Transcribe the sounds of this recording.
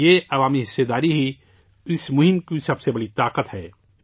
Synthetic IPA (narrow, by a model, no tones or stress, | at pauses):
jeɐʋaːmiɦɪsːed̪aːɾiɦi | ɪsmʊɦɪmkisɐbsebɐɽit̪aːqət̪ɦɛː